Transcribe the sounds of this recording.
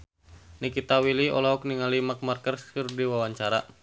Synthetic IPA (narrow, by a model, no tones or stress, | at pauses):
nikit̪awiliɔ̰lɔɦɔk̚niŋalimak̚markərskɨrdiwawaɲt͡ʃaɾa̰